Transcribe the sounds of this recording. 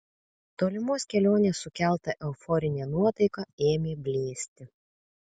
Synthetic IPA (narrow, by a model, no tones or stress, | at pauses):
t̪oːlʲɪmoːsʲkʲɛlʲoːnʲeːsʊkʲæˑlˠt̪ɐʔɛʊfɔɾʲɪnʲɛːnuɔt̪ɐɪkɐeːmʲeːbʲlʲeːsʲt̪ʲɪ